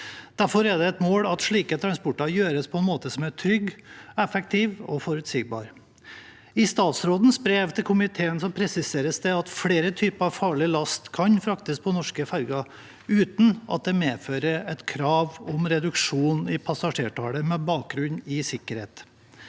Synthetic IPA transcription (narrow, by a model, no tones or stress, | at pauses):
d̪̥æɾfɔɾæɖ̪ɛɛt̪moːɽɑt̪ʂɭiːkət̪ʰɾɑnspɔʈːɑjøːɾəspʰɔɛnmoːt̪əsɔmæʈʰɾʏɡɛfɛk̚t̪ʰɪːʋɔ̰fɔɾʉt̪siːɡ̚bɑ̰ːɾ | ɪst̪ɑːt̪sɾoːd̪n̩sbɾeːʋt̪ʰɪlkʰʊmɪt̪ʰeːənsɔpʰɾɛsɪseːɾəsd̪ɛɑt̪fɽeːɾət̪ʰyːpəɑʋfɑːɭɪlɑst̪kʰɑnfɾɑkt̪ɪs̚pʰɔnɔʂkəfæɾɡɑ | ʉːt̪n̩ʔɑ̰t̪̚d̪ɛmeːføːɾəɾɛt̪kʰɾɑːʋɔmɾɛd̪ʉkʂuːnɪpʰɑsɑʂeːʈʰɑːɽəmɛbɑːk̚ɡɾʉnɪsɪkːəɾheːt̪